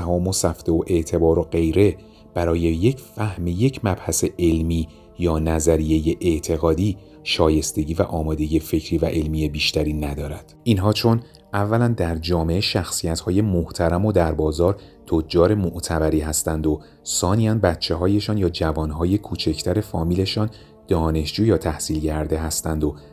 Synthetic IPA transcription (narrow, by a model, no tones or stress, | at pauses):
hɒːmo̞sæft̪e̞oʔe̞ʔt̪ʰe̞bɒːɾo̞ɢe̞jɾe̞ | b̥æɾɒːje̞jecʰfæhmije̞cʰmæb̥hæse̞ʔe̞lmiː | jɒːnæzæɾije̞jeʔeʔt̪ʰe̞ɣɒːd̪iː | ʃɒːje̞st̪e̞ɟiːvæʔɒːmɒːd̪e̞iːefe̞cʰɾiːvæʔe̞lmije̞biːʃt̪æɾiːnæd̪ɒːɾæd̪̥ʔinɦɒːt͡ʃʰo̞n | ævːælænd̪æɾd͡ʒɒːme̞eʃæxsijæt̪hɒːje̞moht̪ʰæɾæmo̞d̪æɾbɒːzɒːɾt̪ʰod͡ʒːɒːɾe̞moʔt̪ʰæbæɾiːɦæst̪ænd̪o̞ | sɒːnijænbæt̪t͡ʃʰːe̞ɦɒːje̞ʃɒːnjɒːd͡ʒævɒːnɦɒːje̞kʰuːt͡ʃʰecʰt̪ʰæɾe̞fɒːmiːle̞ʃɒːn | d̪̥ɒːne̞ʃd͡ʒuːjɒːt̪ʰæhsiːlɟæɾd̪e̞ɦæst̪ænd̪o